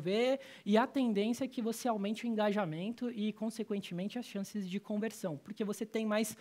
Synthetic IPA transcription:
ve | ɪɐt̪ẽnd̪ẽnsjɐɛkɪvoseawmẽnt͡ʃɪʊĩŋɡaʒamẽnt̪ʊɪkõsekwẽnt͡ʃɪmẽnt͡ʃɪɐsʃɐ̃sɪzd͡ʒɪkõveɾsɐ̃w̃poɾkevoset̪ẽj̃majs

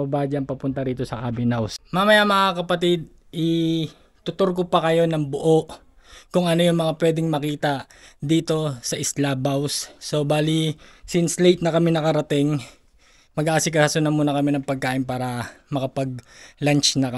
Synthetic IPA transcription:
ɐbaːd͡ʒɐŋpɐpʊnt̪ɐɾiːt̪o̞sɐʔabɪnawsmamɐjamɐŋakɐpɐt̪ɪd̪̚ | ɪ | t̪ʊt̪oɾk̬opɐkɐjo̞nɐŋbʊʔo̞ʔ | kʊŋʔɐno̞jʊŋmɐŋapwɛːd̪ɪŋmɐkiːt̪ɐ | d̪iːt̪o̞sɐʔɪslaːbɐwsːo̞baːlisɪnslejt̪̚nɐkɐmɪnɐkɐɾɐt̪ɪŋ | mɐɡʔaːsɪk̬ɐkɐsʊnɐmuːnɐkɐmɛnɐŋpɐɡ̚kaːʔɪnpaːɾɐmɐkɐpɐɡ̚lant͡ʃnɐkɐ

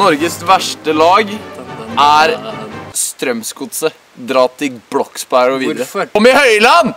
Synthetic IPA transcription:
ɔɾɡəsʋæʂʈəlɑːɡʔæɾst̪ɾœmskʊt̪sə | d̪ɾɑːt̪ʰɪblɔkspæɪɹɔʋiːdəɔmːɪhœʏlɑn

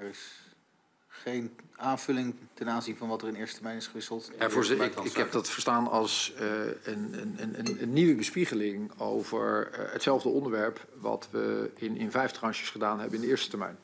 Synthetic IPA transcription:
ɛɹɪs | χejnaːnv̥ɵlɪŋtɛnaːnzinvɑnʋɑtəɹɪndɪːɹstə̥təɹmɛjnɪsχəʋɪsəlˠtɛvʊɹɪkɦɛpdɑtfəɹstaːnɑ̰lˠs | ənənənənənːiʋəbəspiχəlɪŋowvə̰ɹɦətsɛlˠvdəɔndəɹʋɛɹp | ʋɑ̰tʋə̰ɪnɪnvɛjftrɑnʃə̥sχədaːnɦɛbənɪndəɪːɹstə̥tɛɹmɛ̰jn

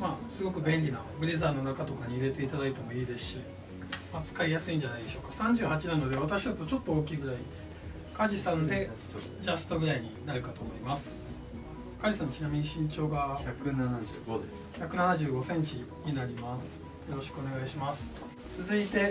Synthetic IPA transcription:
maːsɨɡo̞kɯ̟bẽ̞nʲɾʲina̰bɯ̟ɾe̞zaːno̞nakat̪o̞kaɲ̟iːɾe̞t̪e̞it̪ad̪ait̪e̞mo̞iːd̪e̞sɨ̥ɕi | mat͡sɨ̥kaɾʲijasɨĩɲ̟d͡ʑanaid̪e̞ɕo̞ːkasãɲ̟d͡ʑɨːhat͡ɕinano̞d̪e̞βat̪aɕid̪at̪o̞t͡ɕo̞t̪ːo̞oːkʲiːɡɯ̟ɾai | kaʑisãnd̪e̞ | d͡ʑast̪o̞ɡɯ̟ɾaiɲ̟inaɾɯ̟kat̪o̞ːmo̞imasɨ̥ | kaʑisãnːot͡ɕinamʲiɲ̟iɕĩɲt͡ɕo̞ːɡaçakɯnana | çakɯ̟nanaʑɨːɡo̞sẽ̞ɲ̟t͡ɕi | ɲ̟inaɾʲimasɨ̥ | jo̞ɾo̞ɕi̥kɯo̞ne̞ɡaiɕimasɨ̥ | t͡sɨzɨit̪e̞

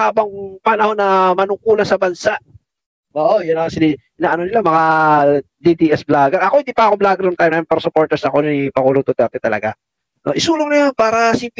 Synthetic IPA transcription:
aːbɐŋpɐnɐho̞nːɐmɐnʊkuːlɐsɐbɐnsaʔ | ʔoːʔojʊnɐsɪd̪iʔɪnaʔɐno̞nɪlamɐŋa | d̪id̪iʔɛsblaːɡɐɾɐkohɪnd̪iːpɐʔɐko̞blaːɡɪɾnɐŋt̪ajmajpɛɾɐsʊpo̞ɾt̪ɛɹsɐkonipɐɡuːlot̪ot̪ɛɾt̪ɛt̪ɐlɐ̰ɡa | no̰ʔɪsuːloŋnɐjonpaːɾɐsip

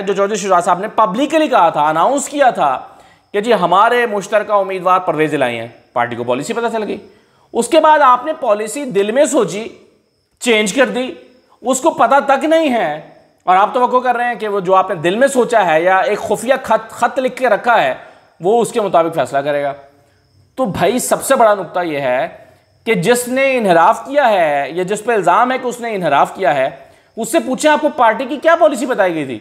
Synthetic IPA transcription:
d͡ʒoːt͡ʃɔːd͡ʒɪʃ̬ʊzaːd̪saːbnepɐblɪkːlikɐɦat̪ʰaɐnãːʊ̃nskijat̪ʰa | ked͡ʒiːɦɐmaːɾemʊʃt̪əɾkaʊmːiːd̪ʋaːɾpɐɾʋeːzɪla̰ːḭ̃ɦɛ̰̃ː | pa̰ːɾʈikopɔ̰ːlisipɐt̪at͡ʃɐlɡiː | ʊskebaːd̪aːpnepɔːlɪsid̪ɪlmẽsoːt͡ʃi | t͡ʃẽːnd͡ʒkɐɾd̪iː | ʊskopɐt̪at̪ɐknɐɦĩɦɛ | ɔːɾaːp̚t̪ɐʋəkːokɐɾːɐɦeɦɛ̃keʋod͡ʒoːaːpned̪ɪlmẽsoːt͡ʃaɦɛjaeːkxʊːfijaɐt̪xɐt̪lɪkʰkeɾɐkʰːaɦɛː | ʋoʊskemʊt̪aːbɪkfɛ̰ːslakɐɾeːɡaː | t̪obʱaːisɐbsebɐɽanʊk̚t̪ajeɦɛ | ked͡ʒɪsneɪnɦɪɾaːfkijaɦɛjad͡ʒɪspɐɾɪlzaːmɦɛkeʊsneɪnɦɪɾaːfkijaɦɛː | ʊsːepuːt͡ʃʰẽaːp̚kopaːɾʈikikjaːpɔːlɪs̬ibɐt̪aːiɡɐit̪ʰḭː

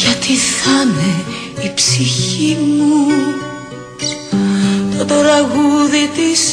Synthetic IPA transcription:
ʝɐt̪iθɐne | ipsiçimuu | t̪ot̪oɾɐɣuðit̪is

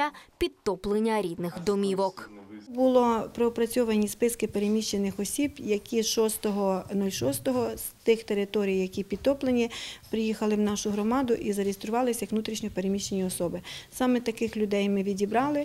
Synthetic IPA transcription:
ɐpʲid̪̚t̪ɔplˠenʲːɐɾʲid̪nɪxd̪ɔmʲiʋɔkbʊlˠɔpɾeɔpɾɐt͡sʲɔʋɐnʲispɪskɪpeɾemʲiʃt͡ʃenɪxɔsʲibjɐkʲiʃɔst̪ɔɦɔnulʲʃɔst̪ɔɦɔz̥t̪ɪxt̪eɾɪt̪ɔɾʲijjɐkʲipʲid̪̚t̪ɔplˠenʲipɾɪjixɐlˠɪwnɑʃʊɦɾɔmɑd̪ʊʔizɐɾʲist̪ɾʊʋɑlˠɪsʲjɐkʋnut̪ɾʲiʃnʲɔpeɾemʲiʃt͡ʃenʲiɔsɔbɪsɑmɛt̪ɐkɪxlʲʊd̪ɛjmɪʋʲidʲibɾɑlˠɪ

